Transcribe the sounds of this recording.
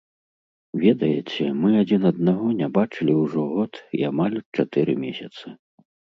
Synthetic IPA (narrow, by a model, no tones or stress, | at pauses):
vʲɛd̪ɐjɛ̰t͡sʲɛmɨad͡zʲinɐd̪̚naɣɔnʲabat͡ʂɨlʲiwʐɔɣɔt̪iamalʲt͡ʂat̪ɨɾɨmʲɛsʲɐt̪sɨ